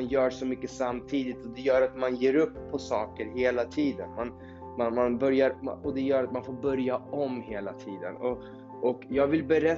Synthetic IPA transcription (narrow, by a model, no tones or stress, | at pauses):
njœːʂɔmʏkːəsamːt̪ʰiːd̪ɪt̪ɔd̪ɛjœːɾat̪manjeːɾɵpʰːɔsɑːkəɾɦeːlat̪ʰiːd̪ənman | manmanbœɾjaɾma̰ɔd̪ɛjœːɾat̪manfoːɾbœɾjaɔmheːlat̪ʰiːd̪ə̰nɔ | ʔɔkjɑːɡvɪlbɛɾɛ